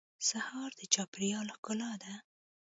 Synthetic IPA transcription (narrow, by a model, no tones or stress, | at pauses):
sahɑɾd̪̥ət͡ʃɑpɾjɑlxkʊlɑd̪a